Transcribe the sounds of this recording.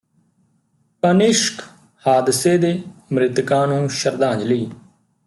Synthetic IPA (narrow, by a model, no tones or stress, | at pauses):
kənɪʃk | haːd̪seːd̪eːmɾɪt̪kãːnũːʃəɾd̪ãːɲd͡ʒləiː